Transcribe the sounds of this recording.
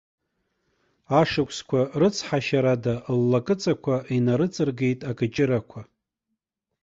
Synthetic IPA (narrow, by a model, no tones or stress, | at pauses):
aʂɨkʷʰʼskʷʰarɨt͡sʰħaʃaɾadalːakʼɨt͡sʼakʷʰaʔinaɾɨt͡sʼɨrɡe̞jtʼakʼɨt͡ʃʼɪɾakʷʰa